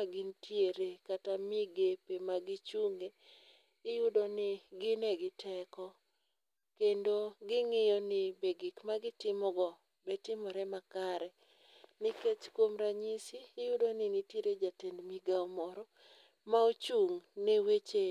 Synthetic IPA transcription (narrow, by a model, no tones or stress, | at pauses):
aɡɪntjeɾekatamiɡepemaɡɪt͡ʃuŋeː | judonɪɡɪnɛɡɪtʰɛkɔ | kendoɡɪŋɪjɔnɪbeɡikmaɡɪtɪmɔɡɔ | bɛtɪmɔɾɛmakaɾɛ | nɪket͡ʃkwomɾaɲisiːjʊdonɪnitjeɾed͡ʒatenmiɡaɔmɔɾɔ | maot͡ʃuŋnewet͡ʃe